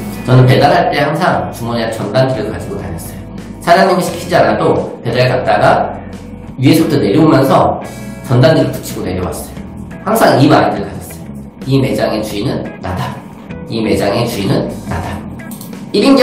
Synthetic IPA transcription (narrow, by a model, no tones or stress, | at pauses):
t͡ɕʌnɯnpe̞danɦaɭt͈e̞haŋsʰaŋt͡ɕumuneat͡ɕʌndandɯɾɯɭkad͡ʑiɡota̰ɲʌs͈ʌjo | sʰad͡ʑaŋɲimiɕʰi̥kʰid͡ʑianadope̞daɾekak̚t͈aɡa | iesʰok̚t͈one̞ɾjoomjʌnsʰʌ̰ | t͡ɕʌndandɯɾipu̥t͡ɕʰiɡone̞ɾjʌwa̰s͈ʌjo | haŋsʰaŋimaidɯɾɯɭkad͡ʑʌs͈ʌjo | ime̞d͡ʑaŋet͡ɕuinɯnːa̰da | ime̞d͡ʑaŋe̞t͡ɕuinɯnːa̰da | iɾinɡ